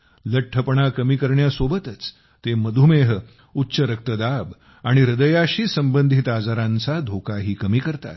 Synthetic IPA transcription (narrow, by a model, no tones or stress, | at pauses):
ləʈʰːəpɳakəmiːkəɾɳjasobət̪ət͡s | t̪eməd̪ʱumeɦə | utːɕəɾək̚t̪əd̪ab | aɽ̃iɾəd̪əjaɕiːsəmbənd̪ʱit̪ad͡zaɾãnt͡sad̪ʱokaɦiːkəmiːkəɾt̪a̰t̪